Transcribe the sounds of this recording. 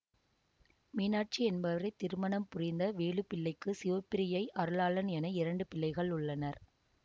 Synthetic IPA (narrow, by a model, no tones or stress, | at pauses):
miːnaːʈ̚t͡ʃiɛnbɐʋɐɾɐɪt̪ːɪɾɯmɐnɐmpʊrɪnd̪ɐʋeːɭɯpɪɭːɐɪkːɯsɪʋɐpːɪɾɪjɐɪʔɐɾɯlaːlɐnɛnɐɪɾɐɳɖɯpɪlːɐɪɣɐɭʊɭːɐnɐɾ